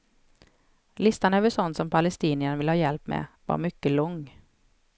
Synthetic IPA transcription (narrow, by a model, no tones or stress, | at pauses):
lɪst̪anøːvəʂɔnt̪sɔmpʰalɛst̪iːnɪənvɪlhɑːjɛlpmɛ̰va̰ɾmʏkːəlɔŋː